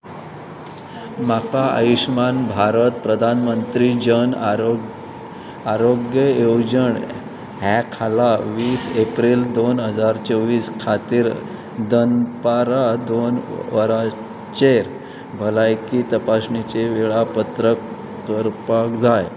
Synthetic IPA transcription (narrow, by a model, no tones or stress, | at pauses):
makaə̰jiɕmanbʱaɾət̪̚pɾəd̪ʱanmənt̪ɾid͡ʑən | aɾoɡjəjod͡ʑəɳ | ɦɛkʰalaʋiːsepɾiːld̪onɦəd͡zaɾt͡ɕəʋiːskʰat̪iːɾ | d̪ənpaɾad̪onʋəɾa | t͡ɕeɾ | bʱəlajkiːt̪əpasnit͡ɕeʋeɭapət̪ɾək | kəɾpakd͡zaj